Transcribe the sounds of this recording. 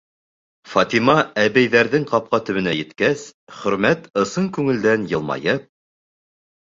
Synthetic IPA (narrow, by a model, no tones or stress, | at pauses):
fɑt̪imɑæβæjðæɾðɘŋqɑp̚qɑt̪ɵ̆βɘ̆næjɘ̆t̪kæsχɵ̆ɾmæt̪ɤ̆sɤŋkʉŋɘ̆ld̪ænjɤ̆lˠmɑ̰jɤp̚